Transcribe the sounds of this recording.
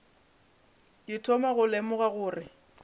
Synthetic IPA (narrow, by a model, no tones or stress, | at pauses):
ɪtʰɔmaɣʊlemʊɣaɣʊːrɪ